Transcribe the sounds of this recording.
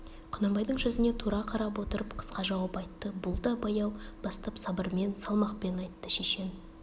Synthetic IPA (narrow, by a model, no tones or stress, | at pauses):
qʰʊnɑmbɑjd̪əɴʒʏzɪne̞t̪ʰuɾɑqʰɑɾɑp̬wo̞t̪əɾəpqʰə̥sqɑʒɑwɑpɑjt̪ːəbʊlˠd̪ɑbɑjɑwbɑst̪ɑpsɑbəɾme̞nsɑlˠmɑqpe̞nɑjt̪ːəʃe̞ʃe̞n